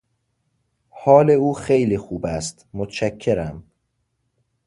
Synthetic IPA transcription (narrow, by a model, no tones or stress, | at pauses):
hɒːle̞uːxejliːxuːbæst̪mot̪ʰt͡ʃækʰːeɾæm